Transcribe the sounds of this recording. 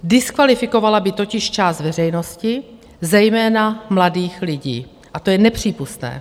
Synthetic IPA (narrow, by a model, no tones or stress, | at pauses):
dɪskvalɪfɪko̞valabɪt̪o̞cɪʃt͡ʃaːst̪vɛrɛjno̞scɪ | zɛjmɛːnamladiːxlɪɟḭː | ʔat̪o̞jɛnɛpr̝̥iːpust̪nɛ̰ː